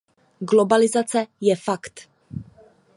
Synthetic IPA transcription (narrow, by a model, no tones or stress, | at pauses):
ɡlobalɪzat͡sɛjɛfakt̪